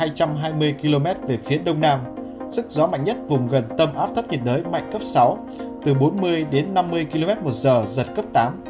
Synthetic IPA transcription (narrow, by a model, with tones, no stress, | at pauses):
aː˧jt͡ɕa˧mɦaː˧jmɨ˧əjki˧lo˧mɛ˦˥t̚ve˨˩fi˨˦əɗə˧wŋ͡mnaː˧m | sɨ˦˥k̚zɔ˨˦ma̰˧˨jŋ̟ɲə˦˥t̚vʊ˨˩ŋ͡mɣə˨˩nt̪ə˧mʔaː˦˥p̚t̪ʰə˦˥p̚ɲə˨˩t̚zəː˨˦jma̰˧˨jŋ̟kə˦˥p̚sa˨˦w | t̪ɨ˨˩ɓo˨˦nmɨ˧əjɗe˨˦nːa˧mːɨ˧əjki˧lo˧mɛ˦˥t̚mo˨˩t̚zəː˨˩zə˨˩t̚kəː˦˥p̚t̪aː˨˦m